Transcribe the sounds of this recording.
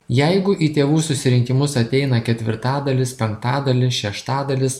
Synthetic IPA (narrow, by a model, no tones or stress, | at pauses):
jɛɪɡʊʔiːt̪ʲeːʋuːsʊsʲɪɾʲɪŋʲkʲɪmʊsɐt̪ʲɛɪnɐkʲɛt̪ʲʋʲɪ̰ɾt̪ɑːd̪ɐlʲɪspʲɛŋkt̪ɑːd̪ɐlʲɪʃʲɛʃt̪ɑːd̪ɐlʲɪs